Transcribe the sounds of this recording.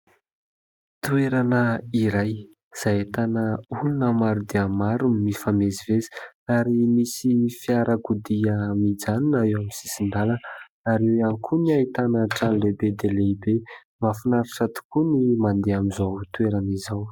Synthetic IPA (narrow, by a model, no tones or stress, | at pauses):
t̪ueɾanəiɾaj | z̥ajet̪anəulunəmaɾud̪eəmaɾunmifamezivezi̥aɾimisiifiaɾəkud̪iəmid͡zaninaewamisi̥sinɖ͡ʐalə | aɾewankʰuniait̪anəʈ͡ʂanlebed̪eleibe | mafinaɾaʈ͡ʂat̪u̥kunimand̪eamizawt̪ueɾanizaw